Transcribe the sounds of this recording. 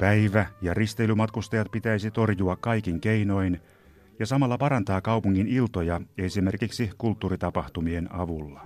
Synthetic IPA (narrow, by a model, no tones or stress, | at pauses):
pæiʋæjɑrist̪eilymɑt̪kust̪ɑjɑt̪̚pit̪æisit̪o̞rjuɑkkɑikiŋkeino̞in | jɑsɑmɑlːɑpɑrɑnt̪ɑːkɑupuŋːinilt̪ojɑe̞sime̞rkiksikult̪ːuːrit̪ɑpɑht̪umie̞nɑʋulːɑ